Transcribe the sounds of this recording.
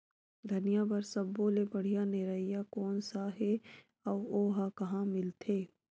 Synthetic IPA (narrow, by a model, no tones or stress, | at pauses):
d̪ʱɐnijabɐɾsɐbːoːlebɐɽ̤ijaneɾəijakɔːnsaɦe | ɔːʋoːɦakɐɦãmɪlt̪ʰeː